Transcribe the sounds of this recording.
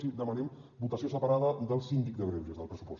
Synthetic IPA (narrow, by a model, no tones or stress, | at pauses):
sid̪əmənɛmbut̪əsiosəpəɾaðəðəlˠsind̪ik̚d̪əɣɾɛwʒəzðəlˠpɾəsupɔs